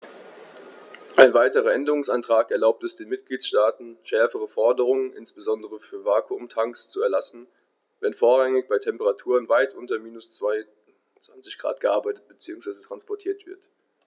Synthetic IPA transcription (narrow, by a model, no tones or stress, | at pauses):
ʔaɪnvaɪtəʁɐʔɛndəʁʊŋsʔantʁ̥aːkɛɐlaʊp̚tɛsd̥eːnmɪt̚ɡ̥liːtʃtaːtn̩ʃɛɐfəʁ̞əfɔɐdəʁʊŋənʔɪ̰nsb̥əzɔndəʁəfyːɐvaːkʰuʊmtʰaŋkst͡suɛɐlasn̩ | vɛnfoːɐʁaŋɪçb̥aɪtʰɛmpəʁatʰuːʁənvaɪtʔʊntɐmiːnʊst͡sv̥aɪ | t͡sv̥ant͡sɪçɡ̥ʁa̰ːt̚ɡ̥əʔaɐbaɪtət̚b̥ət͡siːʊŋsv̥aɪzətʁ̥anspɔɐtʰiːɐtv̥ɪ̰ɐt